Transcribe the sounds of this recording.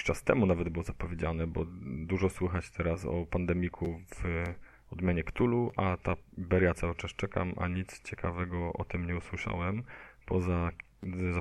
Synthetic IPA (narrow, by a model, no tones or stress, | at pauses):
t͡ʂast̪ɛmunavɛd̪̚bɘwɔzapɔvʲjed͡ʑanɛbɔd̪uʐɔswɘxat͡ɕt̪ʰɛɾasɔ̰pand̪ɛmʲikʰuv | ɔd̪mʲjaɲɛkt̪uluʔat̪abɛɾjat̪sawɘt͡ʂast͡ʂɛka̰mʔa̰ɲit̪st͡ɕɛkʰavɛɡɔʔɔ̰t̪ɘmɲɛuswɘʂa̰wɛmpʰɔza | za